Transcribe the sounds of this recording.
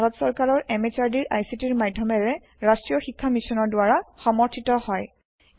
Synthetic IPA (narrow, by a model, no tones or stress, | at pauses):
aɹɔtsɔɹkaɹɔɹʔɛmet͡ʃaɹdiɹʔa̰jsitiɹmadʱjɔmɛɹɛ | ɹastɹijɔxikʰːamisɔnɔɹdʊaɹaxɔmɔɹtʰitɔhɔj